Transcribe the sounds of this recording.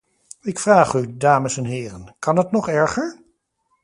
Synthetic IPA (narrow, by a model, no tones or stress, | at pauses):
ɪkfraːχydaːməsɛnɦɪːrənkɑnətnɔχɛɹχəɹ